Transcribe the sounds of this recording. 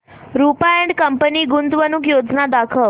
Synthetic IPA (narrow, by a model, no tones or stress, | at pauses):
ɾupaẽɳɖkəmpəniːɡunt̪ʋənukjod͡znad̪akʰəʋ